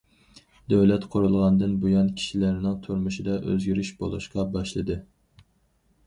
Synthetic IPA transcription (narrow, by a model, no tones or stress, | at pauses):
d̪øwlɛt̪qʰoɾulˠʁɑnd̪ɨnbujɑnkʲʰi̥ʃilæɾnɪŋt̪ʰuɾmuʃid̪ɑʔø̰zɡʲyɾyʃbolˠṵʃqɑbɑʃlˠɨd̪ɨ